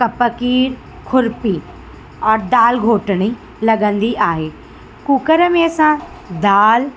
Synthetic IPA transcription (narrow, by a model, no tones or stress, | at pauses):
kɐpəkiːɾ | kʰʊɾpi | ɔːɾd̪aːlɡʱoːʈəɽ̃i | lɐɠə̃nd̪iʔaːɦeː | kuːkəɾəmẽsã | d̪aːl